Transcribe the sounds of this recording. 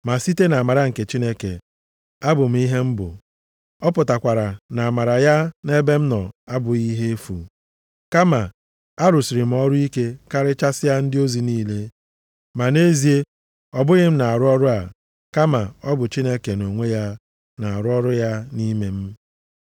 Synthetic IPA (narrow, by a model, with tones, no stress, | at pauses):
ma˨si˦te˦na˨a˨ma˨ɾa˦ŋ̩˨ke˨t͡ʃi˦ne˦kḛ˨ | a˦bʊ˨m̩˨˦i˦ɦe˦m̩˦bʊ̰˨ | ɔ˦pʊ˨ta˨kʷa˨ɾa˨na˨ma˨ɾa˨ja˦ne˦be˦m̩˦nɔ˨a˦bʊ˨i˦ɦe˦e˦fṵ˨ | ka˦ma˨ | a˦ɾʊ˨si˨ɾɪ˨m̩˨˦ɔ˦ɾʊ˦i˦ke˦ka˦ɾɪ˦t͡ʃa˦sɪ˦ja˦n̩˦dɪ˦o˦zi˨niː˦le˦ | ma˨ne˦zi˨e˦ | ɔ˦bʊ˦ɣɪ˦m̩˦na˨a˨ɾʊ˦ɔ˦ɾʊ˦a˨ | ka˦ma˨ɔ˦bʊ˨t͡ʃi˦ne˦ke˨no˨ŋʷe˦ja˦ | na˨a˨ɾʊ˦ɔ˦ɾʊ˦ja˦ni˦me˨m̩˦